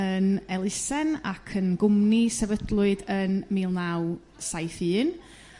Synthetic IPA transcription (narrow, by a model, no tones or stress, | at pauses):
ənɛlˠɪsɛna̰kʰənɡʊmnisɛvədlˠʊɨdənmiːlˠnaw | sajθɨːn